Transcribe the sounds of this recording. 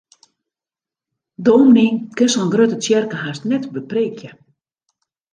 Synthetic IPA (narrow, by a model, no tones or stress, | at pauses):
domniŋkɪnsɔnɡrøtət͡sjɛrkəhastnɛtbəpreːkʰjə